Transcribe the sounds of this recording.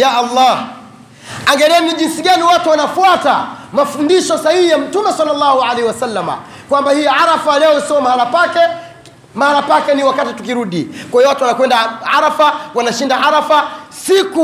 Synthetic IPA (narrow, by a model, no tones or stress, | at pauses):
jaʔalːah | aŋɡɛlɛniʄinsiɠaniwatuwanafuata̰mafundiʃɔsahihijam̩tumɛsalːalːahuʕalɛhiwasalːama̰ | kwambahijʕaɾafalɛɔisiɔmahalapakɛ | mahalapakɛniwakatitukiɾuɗikwaiɔwatuwanakwɛndaʕaɾafawanaʃindaʕaɾafasiku